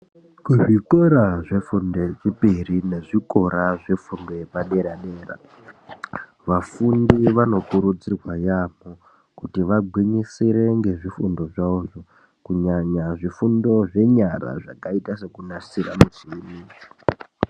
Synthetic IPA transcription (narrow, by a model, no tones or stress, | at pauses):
kuʐikoɾaʐe̞funde̞ʐipirine̞ʐiko̞ɾaʐe̞fundo̞jepaɗe̞ɾaɗe̞ːɾa̰ | ʋafundiʋano̞kuɾud͡zirwajamo | kutiʋaɡʱwiɲisiɾe̞ŋɡe̞ʐifundo̞ʐauʐo | kuɲaɲaʐifundo̞ʐe̞ɲara̰ʐakaitase̞kunasiramut͡ʃini